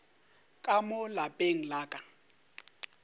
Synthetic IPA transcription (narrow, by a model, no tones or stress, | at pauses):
kʼamʊlapʼeŋ̩laːkʼa